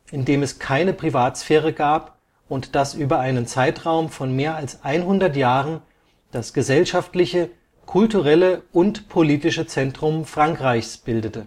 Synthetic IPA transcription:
ʔɪndeːmɛskʰaɪnəpʁ̥ivaːtsfɛːʁ̞əɡaːp | ʔʊntd̥asʔyːbɐaɪnənt͡saɪtʁ̥aʊmfɔnmeːɐalsʔaɪnɦʊndɐtjaːʁən | d̥asɡ̥əzɛlʃaftlɪçə | kʰʊltuʁɛləʔʊntpʰoliːtɪʃət͡sɛntʁ̥ʊmfʁ̥aŋkʁ̥aɪçsb̥ɪldətə

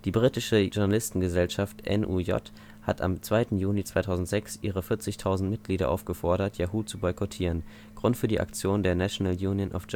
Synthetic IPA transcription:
d̥iːbʁiːtɪʃəʒʊɐnalɪstn̩ɡəzɛlʃaftʔɛ̰nʔṵːjɔ̰t | hatʰa̰mt͡sv̥aɪtn̩juːlit͡sv̥aɪtʰaʊzn̩tz̥ɛksʔiːʁ̞əfɪɐt͡sɪçtʰaʊzn̩tmɪt̚ɡ̥liːɾɐʔa̰ʊfɡ̥əfɔɐɾɐtjaɦuːt͡subɔʏkʰɔtʰiːʁ̞ən | ɡ̥ʁʊntfyːɐdiːʔa̰kt͡sjoːndeːɐnaʃonaljuːnjənʔɔ̰fd͡ʒ

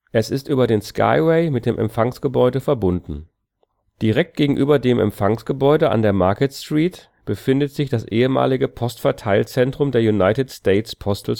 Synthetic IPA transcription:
ʔɛsɪstʔyːbɐdeːnskʰa̰ɪwɛɪmɪt̚d̥eːmʔɛ̰mfaŋsɡ̥əbɔʏdəfɛɐbʊndn̩ | d̥iʁɛk̚t̚ɡ̥eːɡŋ̩ʔyːbɐdeːmʔɛ̰mfaŋsɡ̥əbɔʏdəʔa̰ndeːɐmaɐkətstʁ̥iːt | b̥əfɪndətz̥ɪçd̥asʔeːəma̰ːlɪɡəpʰɔstfɛɐtʰaɪlt͡sɛntʁ̥ʊmdeːɐjunaɪtɪtstɛːɪtspʰɔstl̩

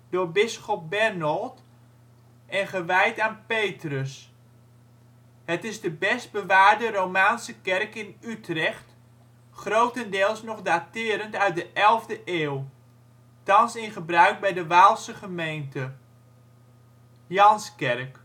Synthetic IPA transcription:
dʊːɹbɪsχɔp̚bɛrnɔlˠt | ɛnχəʋɛjtaːnpejtrəs | hətɪzdəbɛsd̚bəʋaːɹdəɾowmaːnsəkɛrkɪnytrɛχt | χrowtəndɪəlˠsnɔχdaːtɪːɾəntœɥt̚dəʔɛlˠvdəʔeːw | tɑnsɪnχəbrœɥk̚bɛjdəʋaːlˠsəχəmejntə | jɑnskɛrk

